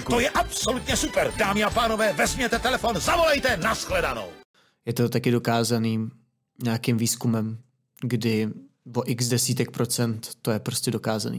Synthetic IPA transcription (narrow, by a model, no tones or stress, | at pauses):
t̪ojɛʔapso̞lut̪ɲɛsupɛɾdaːmɪapaːnovɛːvɛzmɲɛt̪ɛt̪ɛlɛfo̞nzavo̞lɛjt̪ɛnasxlɛdano̰w | jɛt̪ot̪akɪdo̞kaːzaniː | ɲaːkɪmviːskumɛm | ɡdɪ | voʔɪɡzdɛsiːt̪ɛk̚pɾo̞t͡sɛnt̪ːojɛpɾo̞scɛdo̞kaːza̰nḭː